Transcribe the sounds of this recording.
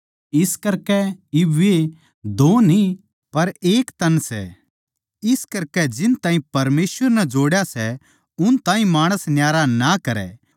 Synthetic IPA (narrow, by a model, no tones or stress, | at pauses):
ɪskɐɾkɛɪʋe | d̪oːni | pɐɾeːkt̪ɐnsɛ̰ | ɪskɐɾkɛd͡ʒɪnt̪ãːĩpɐɾmeːsʋəɾnɛd͡ʒoːɽjasɛ | ʊnt̪ãːĩmaːɽ̃əsnjaːɾanakɐɾɛ̰ː